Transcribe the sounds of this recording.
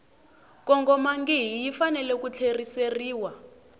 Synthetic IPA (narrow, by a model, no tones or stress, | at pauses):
kɔŋɡɔmaŋɡiɦijifanɛlɛkut͡ɬʰeriseriːwa